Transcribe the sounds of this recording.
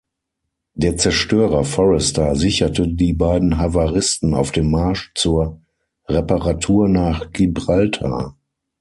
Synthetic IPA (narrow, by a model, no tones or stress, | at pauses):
d̥eːɐt͡sɛɐʃtøːʁɐfɔʁɛstɐzɪçɐtədiːbaɪdn̩ɦavaʁɪstn̩a̰ʊfd̥eːmːaɐʃt͡suːɐ | ʁɛpəʁatʰuːɐnaːχɡ̥ibʁaltʰa̰